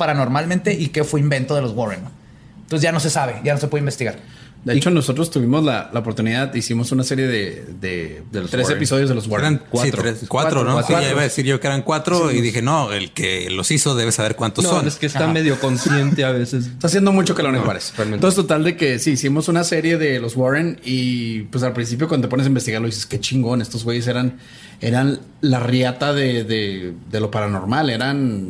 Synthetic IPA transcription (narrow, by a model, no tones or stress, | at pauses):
paɾano̞ɾmalmẽnt̪eʔikefweimbe̞nt̪oðelozwoɾen | nosezʝano̞se̞saβe̞ʝanosepweðimbe̞st̪iɣaɾ | d̪et͡ʃo̞noso̞t̪ɾost̪uβimo̞zla̰laop̬ot̪uniðaðisimo̞sunase̞ɾje̞ðeðḛd̪eloɾesepiso̞ðjo̞zðelowoeɾankwsait̪ɾɾeskwatat̪ɾonoaaiβaðesiɾʝokeeɾaŋkwat̪ɾoiðixenoḛlkḛlosisoðe̞β̞esaβeɾkwant̪osːoneskest̪ameðjokonsjent̪eaβesese̥t̪as̬jend̪omut͡ʃo̞kalonewa̰ɾesalmet̪osest̪ot̪ald̪eke̞siːsimo̞sunase̞ɾje̞ðe̞lo̞zwoɾenipwes̬alpɾins̬ip̬jokwand̪ot̪ponesaimbest̪iɣaɾloðiseske̞t͡ʃiŋɡo̞ne̞st̪ozwe̞jes̬e̞ɾan | e̞̰ɾan | larjat̪aðeðeðe̞lo̞paɾano̞̰ɾmale̞ɾan